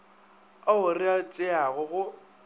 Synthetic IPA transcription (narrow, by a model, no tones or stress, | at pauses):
aʊrɪat͡sʼɪaɣʊɣʊ